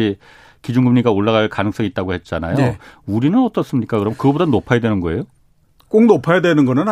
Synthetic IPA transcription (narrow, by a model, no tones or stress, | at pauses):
i | kid͡ʑunɡɯmɲiɡaoɭːaɣaɭkanɯŋs͈ʌŋit͈aɡohe̞t̚t͡ɕ͈anajouɾinɯnʌt͈ʌs͈ɯmɲik͈akɯɾʌmkɯɡʌbodanopʰajadwe̞nɯnɡʌe̞jo | k͈oŋnopʰajadwe̞nɯnɡʌnɯn